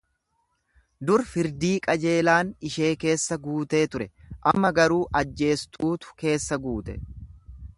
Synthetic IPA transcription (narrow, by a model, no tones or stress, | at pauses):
d̪ʊɾfɪɾd̪iːkʼɐd͡ʒe̞ːlaːnɪʃe̞ːke̞ːsːɐɡuːt̪e̞ːt̪ʊɾɛʔɐmːɐɡɐɾuːʔɐd͡ʒːe̞ːst̪ʰuːt̪ʊ̥ke̞ːsːɐɡuːt̪ɛ̰